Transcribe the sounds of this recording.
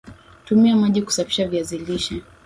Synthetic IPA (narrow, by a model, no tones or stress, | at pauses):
tumiamaʄiku̥safi̥ʃaviaziliʃa